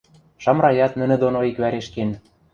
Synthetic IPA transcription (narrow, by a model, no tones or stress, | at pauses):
ʃɑmɾɑjɑt̪nə̆nɘ̆d̪onoikβæɾeʃken